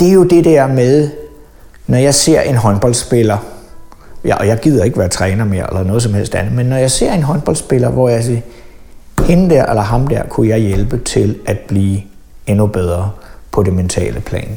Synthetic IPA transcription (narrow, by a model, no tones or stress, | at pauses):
d̥e̝æɐjo̝d̥e̝d̥æɐ̰meðˠ | nɒjɑ̈ɪse̝ɐ̰ʔe̝nɦɒ̽nb̥ɒ̽ldsb̥e̝lɐ | jʔɒjɑ̈ɪɡ̥ið̞̰ˠɐe̝ɡ̥əʋæːɐt͡sʰʁɛːnɐme̝ɐ̰elɐnɔðˠs̬ɒ̽mhel̰sd̥ænð̩ˠmenːɒjɑ̈ɪse̝ɐ̰e̝nɦɒ̽nb̥ɒ̽ld̥sb̥e̝lɐʋɒjɑɪse | he̝nəd̥æɐʔelɐɦɑ̈md̥æɐ̰kʰujɑ̈ɪjelb̥ət͡sʰe̝lʔæd̥̚b̥liː | enub̥eð̞ˠʁɐpʰɒ̽d̥e̝ment͡sʰɛ̰ːləpʰlɛ̰ːn